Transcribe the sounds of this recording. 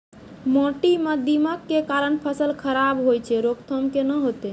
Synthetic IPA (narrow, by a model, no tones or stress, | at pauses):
mɔ̃ʈiməd̪iməkːekaɾənpʰəsəlkʰəɾabɦojt͡ʃʰɛɾokt̪ʰəmkenəɦot̪e